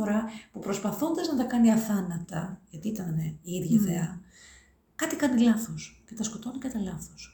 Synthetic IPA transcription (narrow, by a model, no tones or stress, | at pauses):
oɾɐpupɾo̞spɐθo̞nd̪ɐznɐt̪ɐkɐniɐθɐnɐt̪ɐʝɐt̪iit̪ɐneiiðʝɐðeɐ | kɐt̪ikɐnilɐθoscet̪ɐsko̞t̪onikɐt̪ɐlɐθos